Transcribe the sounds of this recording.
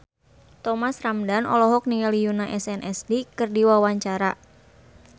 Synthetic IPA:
t̪ɔmasramdanɔ̰lɔɦɔk̚niŋalijunaʔɛsɛnʔɛsdikɨrdiwawaɲt͡ʃaɾa

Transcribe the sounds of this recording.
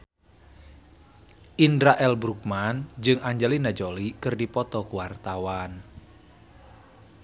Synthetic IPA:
ʔindɾaʔɛlbɾuk̚mand͡ʒɨŋaɲd͡ʒɛlinad͡ʒolikɨrdipɔt̪ɔkuwart̪awan

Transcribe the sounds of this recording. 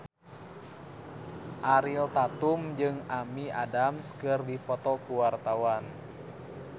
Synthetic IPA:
ʔaɾilt̪at̪umd͡ʒɨŋamiadamskɨrdipɔt̪ɔkuwart̪awan

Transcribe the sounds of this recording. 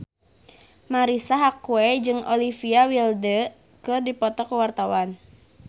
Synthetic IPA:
maɾisaɦakuɛd͡ʒɨŋɔlifiawildə | kɨrdipɔt̪ɔkəwart̪awan

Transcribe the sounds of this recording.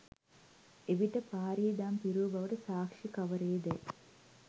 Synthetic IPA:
eʋiʈːɐpaːɾiːd̪aːmpiɾuːbɐʋɐʈɐsaːkʂikɐʋɐɾeːd̪e

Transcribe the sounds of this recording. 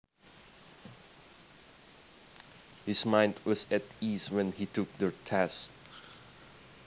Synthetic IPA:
hɪsmãɪ̃ndwɔsɛtiswɛ̃nhitʰʊk̚dətʰæsk

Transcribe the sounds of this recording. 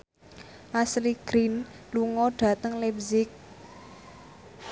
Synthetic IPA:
ʔasliɡ̥ɾin | luŋɔɖ̥ä̤t̪əŋlɛpzɪk̚

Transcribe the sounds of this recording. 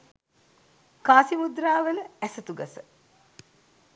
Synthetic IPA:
kaːsimud̪raːʋələæsɐt̪uɡɐsə

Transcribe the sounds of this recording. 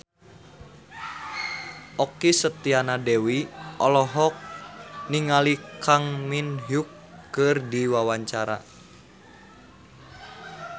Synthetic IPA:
ʔɔkisət̪ianadɛwiʔɔlɔɦɔk̚niŋalikaŋminɦukː | ɨrdiwawaɲt͡ʃaɾa̰

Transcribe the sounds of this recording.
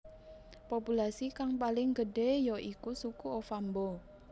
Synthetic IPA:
populasikaŋpalɪŋɡəɖejɔʔikusukuofambɔ

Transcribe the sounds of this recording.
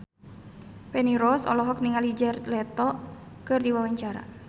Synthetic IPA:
pɛniɾɔsɔ̰lɔɦɔk̚niŋalid͡ʒərlɛt̪ɔ | kɨrdiwawaɲt͡ʃaɾa̰

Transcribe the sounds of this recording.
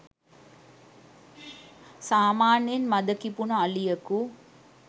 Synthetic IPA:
saːmaːnjenmad̪əkipunəalijəku

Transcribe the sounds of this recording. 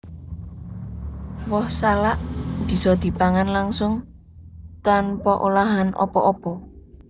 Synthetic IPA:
wɔhsalaʔb̥i̤sɔd̪̥i̤paŋanlaŋsʊŋ | t̪anpɔʔulaɦanʔɔ̰pɔ̰ʔɔpɔ

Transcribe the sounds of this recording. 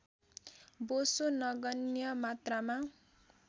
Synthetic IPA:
bosonʌɡʌnjʌmat̪rama

